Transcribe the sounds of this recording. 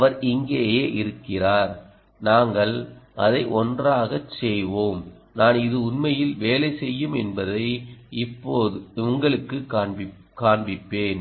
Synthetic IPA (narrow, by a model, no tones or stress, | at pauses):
ɐʋɐɾɪŋɡeːjeːʔɪɾɯkːɪraːɾ | naːŋɡɐɭʔɐ̰ðɐɪʔɔndraːɣɐt͡ʃːɛjʋoːm | naːnɪðɯʊnmɐjɪlʋeːlɐɪsɛjːɯmɛnbɐðɐɪɪpːoːðɯʊŋɡɐɭɯkːɯkː | kaːɳbɪpːeːn